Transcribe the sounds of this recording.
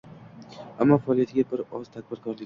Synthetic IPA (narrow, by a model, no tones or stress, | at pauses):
amːɒfaːlˠijat̪ʰɪɡʲabɪɾɒz̥t̪ʰak̚ʲbɪɾkʰɒɾlɪkʲ